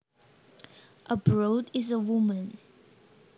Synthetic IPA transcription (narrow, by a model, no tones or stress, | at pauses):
ʔəbɹodizəwumə̃n